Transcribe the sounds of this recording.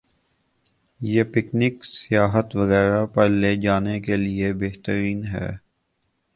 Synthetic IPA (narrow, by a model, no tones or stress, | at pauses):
jepɪknɪksɪjaːɦət̪ʋɐɣɛːɾapɛled͡ʒaːnekeliebeɦt̪əɾiːnɦɛ̰ː